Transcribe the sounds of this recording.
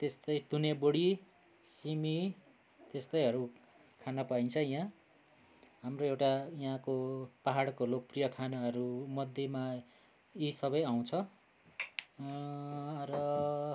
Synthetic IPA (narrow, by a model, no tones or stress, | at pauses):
t̪est̪ʌjt̪uneboɽi | simi | t̪est̪ʌjɦʌɾu | kʰanʌpaint͡sʰʌjɦã | ɦamroewʈajãkopaɦaɽkolok̚prijʌkʰanaɦʌɾumʌd̪ʱjema | isʌbʌjaw̃t͡sʰʌ | rʌ